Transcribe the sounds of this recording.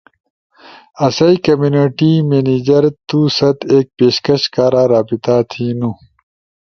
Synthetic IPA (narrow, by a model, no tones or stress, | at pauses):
ɐsɐikɐmjuːniʈimeːniːd͡ʑɐɾt̪uːsɐt̪eːk̚peːɕkɐɕkaːɾaːɾaːbit̪aːt̪ʰinu